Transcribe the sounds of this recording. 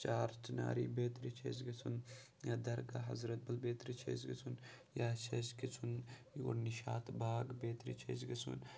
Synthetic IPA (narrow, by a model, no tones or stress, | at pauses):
t͡ʃaːɾt͡ʃna̰ːɾiːbeːt̪ɾit͡ʃʰḛz̬ɡɐt͡sʰun | jaːd̪ɐɾɡaɦɐ̰zɾɐt̪̚bɐlbeːt̪ɾit͡ʃʰḛːzɡit͡sʰun | jaːt͡ʃɐskit͡sʰunjo̰ɾniʃaːt̪baːɡbeːt̪ɾḭt͡ʃʰḛːzɡɐt͡sʰṵn